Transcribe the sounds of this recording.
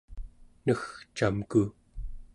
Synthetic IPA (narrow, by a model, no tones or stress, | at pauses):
nəxt͡ʃamku